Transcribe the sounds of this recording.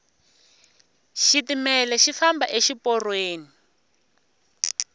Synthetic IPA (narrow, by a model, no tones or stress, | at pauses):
ʃitimɛlɛʃifamba̰ʔeʃipɔrweːni